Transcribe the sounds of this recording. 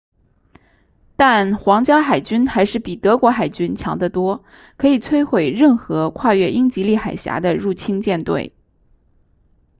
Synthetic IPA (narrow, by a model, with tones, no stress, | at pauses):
t̪a˥˩nxwɑ˧˥ŋt͡ɕjɑ˥xa˨˩ɪt͡ɕy˥nxa˧˥ɪʂɻ̩˥˩pi˨˩t̪ɤ˧˥kwɔ˧˥xa˨˩ɪt͡ɕy˥nt͡ɕʰjɑ̰˧˥ŋd̪ə˧t̪wɔ˥ | kʰɤ˧˥i˨˩t͡sʰwe˥ɪxwe˨˩ɪɻə˥˩nxɤ˧˥kʰwa˥˧ɥɛ˥˧ʔi˥ŋt͡ɕi˧˥li˥˩xa˨˩ɪɕja̰˧˥d̪ə˧ɻu˥˩t͡ɕʰi˥ŋt͡ɕjɛ˥˧nt̪wḛ˥˩ɪ